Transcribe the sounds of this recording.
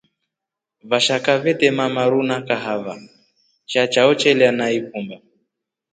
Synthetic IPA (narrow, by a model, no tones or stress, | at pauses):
vaʃakavɛtɛmamaɾunakaɦava | t͡ʃat͡ʃaɔt͡ʃɛlianaik̚umba